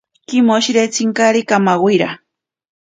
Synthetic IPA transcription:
kimoʃiɾet͡siŋkaɾikamawwiɾa̰

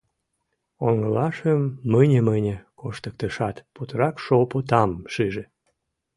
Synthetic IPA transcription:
oŋəlɑʃəmːənʲəmənʲekoʃt̪ək̚t̪əʃɑt̪put̪əɾɑkʃopot̪ɑmʃiʒe

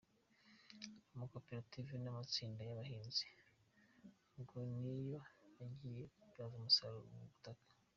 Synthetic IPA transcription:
mukopiɾativinamat͡siːndajaβahiːnzi̥ | ɡonijo̞aɟijeazumusaɾuɾmuβutakḁ

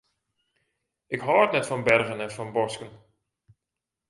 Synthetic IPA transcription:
ʔɪkɦɔːtnɛtfɔnbɛrɣənɛnfɔnbɔskən

